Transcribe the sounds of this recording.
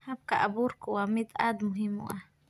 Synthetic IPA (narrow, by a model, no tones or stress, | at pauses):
hap̚kaʔabuɾkuwamit̪ad̪muɦimṵʔa